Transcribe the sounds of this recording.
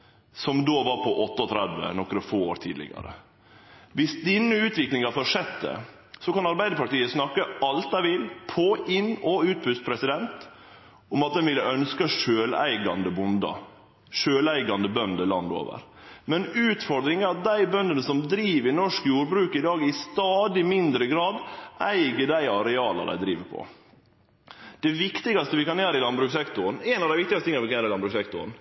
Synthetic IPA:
sɔmd̪oːʋɑɾpʰɔʔɔt̪ːəɔt̪ʰɾæd̪ʋə̰nɔkɾəfoːoːɾt̪ʰḭd̪lɪ̰ɡɑ̰ɾə̰ | ʋɪsd̪ɪnːəʉːt̪ʋɪklɪŋɑfɔʂɛt̪̚d̪ɛ̰ | sɔkɑnɑɾbæɪd̪əɾpɑʈ̪iːəsnɑkːəɑlt̪æɪʋɪlpʰɔɪnɔʉːt̪̚bʉst̪̚pʰɾɛsɪd̪ɛnt̪ | ɔmɑt̪̚d̪ɛnʋɪlːəʔœnskəʂøːlæ̰ɪɡɑnd̪əbʊnd̪ɑ̰ | ʂøːlæɪɡɑnd̪əbœnd̪əlɑnd̪o̰ːʋə̰ɾ | mɛnʉːt̪fɔɾd̪ɾɪŋæɾɑt̪̚d̪æɪbœnd̪ənəsɔmd̪ɾiːʋɪnɔʂkjuːɾbɾʉːkɪd̪ɑːɡɪst̪ɑːd̪ɪmɪnd̪ɾəɡɾɑːd̪æɪɡəɖæɪɑɾɛɑːlɑ̰d̪æ̰ɪd̪ɾiːʋəpʰɔ̰ | d̪̥ɛʋɪkt̪ɪɡɑst̪əʋɪkɑnjæːɾəɪlɑnbɾʉːksɛkt̪ʊɾnɛnɑʋd̪æɪʋɪkt̪ɪɡsɪŋːɑʋɪkɑnæːɾɪlɑnbɾʉːksɛkt̪ʊ̰ɾn

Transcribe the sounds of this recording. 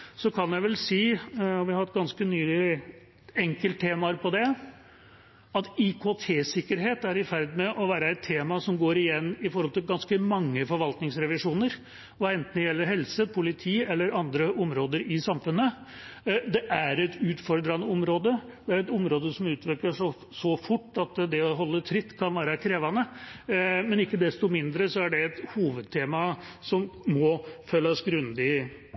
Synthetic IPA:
sɔkʰɑnjæɪʋɛlsiːɔʋɪhɑhɑt̪ːɡɑnskənyːə | ɛŋkəlt̪t̪ʰːeːmɑəɾpʰɔd̪ɛ | ɑt̪ɪkʰot̪ʰeːsɪkːəɾɦeːt̪æɾɪfæɾd̪mɛʔɔʋæːɾəɛt̪ʰːeːmɑsɔmɡoːɾɪjɛnːɪfɔɾhɔlt̪ɪlɡɑnskəmɑŋːəfɔɾʋɑlt̪nɪŋsɾɛʋɪʂuːnəɾ | ʋɑɛnt̪n̩jɛlːəɾɦɛlsəpʰʊlɪt̪ʰiːɛlːəɾɑnd̪ɾəʔɔmɾoːd̪əɾɪsɑmfʉnːə | d̪ɛʔæɾɛt̪ʉːt̪fɔɾɖ̪ɾɑnəɔmɾoːd̪əd̪ɛæɾɛt̪ɔmɾoːd̪əsɔmʉːt̪ʰʋɪɾkləʂɔ | sɔfʊʈːɑt̪d̪ɛɔɦɔlːət̪ʰɾɪt̪ːkʰɑnʋæːɾəkʰɾeːʋɑnə | mɛnɪkːəd̪ɛst̪ɔmɪnd̪ɾəsɔæɖɛːt̪huːʋəd̪̚t̪ʰeːmɑ | sɔmmɔfølːɑsɡɾʉnd̪ɪ

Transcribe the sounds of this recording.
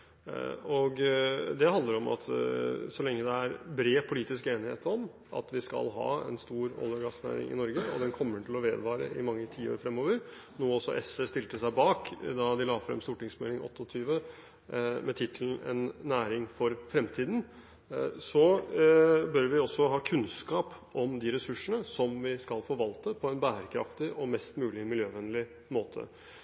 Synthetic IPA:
ɔɡd̪ɛhɑnd̪əɾɔmʔɑ̰t̪sɔlɛŋːəd̪ɛæɾbɾeːpʰʊliːt̪ɪskəeːnɪhḛːt̪ɔm | ʔɑ̰t̪ʋɪskɑ̰lɦɑ̰ːɛ̰nst̪uːɾɔ̰lːəɾɡɑsnæ̰ːɾɪ̰ŋɪ̰nɔɾɡəɔ̰d̪ɛnkʰɔmːəʈɪlɔʋeːd̪ʋɑːɾə̰ɪmɑŋːət̪ʰiːo̰ːɾfɾɛmːoːʋəɾ | noːɔsɔ̰ʔɛsɛst̪ɪlt̪əsæɪbɑːkd̪ɑd̪ɪlɑːfɾɛ̰mst̪uːʈɪŋsmɛlɪŋɔ̰t̪ːəɔt̪ʰyːʋə | mɛt̪ʰɪt̪ʰln̩ɛ̰nːæːɾɪŋfɔɾfɾɛmt̪ʰiːd̪n̩ | sɔ | bœɾʋɪɔsːɔɦɑːkʰʉnskɑːpɔmd̪ɪɾɛsʉʂəɳəsɔmʋɪskɑlfoːʋɑlt̪əpʰɔɛnbæːɾəkʰɾɑ̰ft̪ɪʔɔmɛst̪mʉːlɪmɪljøːʋɛnlɪ | moːt̪ʰə̰

